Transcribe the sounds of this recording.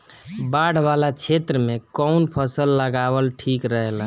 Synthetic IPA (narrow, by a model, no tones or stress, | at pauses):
baɽ̤balat͡ʃʰet̪ɾəmekɔwnpʰəsəlːəɡabəlʈʰikɾəɦɛlə̃